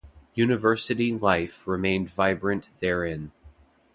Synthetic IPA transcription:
jʉnɨvɜ˞sɨɾilaɪfɹɪmẽɪ̃nvaɪbɹɨ̃nðə˞ɪ̃n

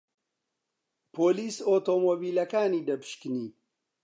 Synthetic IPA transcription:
pʰoːliːsoːt̪oːmoːbiːlɐkaːniːd̪ɐpʰɨ̥ʃkɨniː

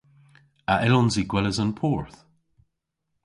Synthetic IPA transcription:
aʔɪlɔnziɡwɛləzənpʰɔːɹθ

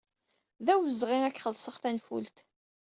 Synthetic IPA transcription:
ðæwəzːʁiækːχəlsəʁθænfṵlt̪

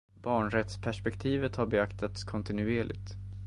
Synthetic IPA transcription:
bɑːɳɾɛt̪spʰæʂpɛkt̪ʰiːvət̪haɾbɛakt̪ʰat̪skʰɔnt̪ɪnʉeːɭʔɪ̰ɡt̪

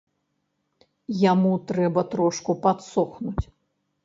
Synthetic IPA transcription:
jamut̪ɾɛbɐt̪ɾɔʂkupat̪sɔxnut͡sʲ

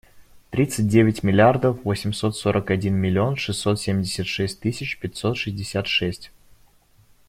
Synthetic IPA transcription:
t̪ɾʲit̪sɨt̚ʲdʲevʲɪtʲmʲɪlʲɪard̪əfvosʲɪmʲso̞t̪so̞ɾʔəkɐdʲinmʲɪlʲɪo̞nʂɨsːo̞t̪sʲemʲdʲɪsʲət̪ʂɛsʲt̚ʲt̪ɨsʲɪt͡ɕpʲɪtʲso̞t̪ʂɨzʲdʲɪsʲat̪ʂɛsʲtʲ

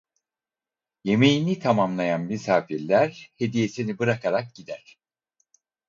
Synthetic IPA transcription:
je̞me̞jinit̪ʰamamlˠajanmisaːfiɾlʲæɾhe̞d̪ije̞sinibɯɾakʰaɾak̚ɟid̪æɾ̥

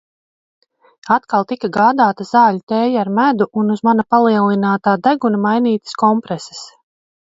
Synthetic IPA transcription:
at̪kalˠt̪ikaɡaːd̪aːt̪azaːlut̪ɛːjaaɾmæd̪uʔunuzmanapalˠiɛlˠinaːt̪aːd̪æɡunamajniːt̪ə̥skɔmpɾɛsɛ̥s

